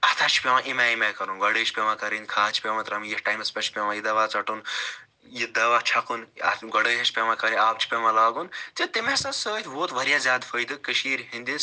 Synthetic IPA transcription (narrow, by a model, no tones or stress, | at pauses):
ɐt̪ʰat͡ʃʰi̥pʲemãʔimaːimekɐɾunɡɐɽəːt͡ʃʰpʲemãkɐɾinkʰaːt͡ʃʰi̥pʲemɐt̪ɾɐmijiʈaːjmɐspʲɐt͡ʃʰi̥pʲemãjid̪ɐʋaːt͡sɐʈun | jid̪ɐʋaːt͡ʃʰɐkunɐ̰ɡɐɽəːɦɐt͡ʃʰpʲemãkɐɾiaːp̚t͡ʃʰi̥pʲemãlaːɡunt̪et̪imesɐsəːt̪ʰʋoːt̪ʋɐɾijaːzʲaːd̪fʰəjd̪ɨkəʃiːɾɦinʲd̪is